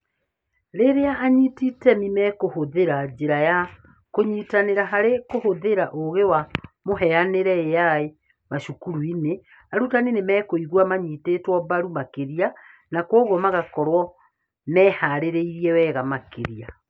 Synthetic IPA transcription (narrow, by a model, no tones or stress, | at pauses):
ɾeɾeaʔːɲititɛmimɛkohoðeɾad͡ʑeɾaja | koɲiːtaneɾaɦaɾekohoðeɾaʔoɣewamoɦɛaneɾɛejae | maʃukuɾuine | aɾutanenemɛːkoiɣwamaɲiːtetwɔbaɾumakeɾia | nakwɔɣwɔmaɣakɔɾwɔ | mɛːhaɾeɾeiɾiɛwɛːɣamakḛɾia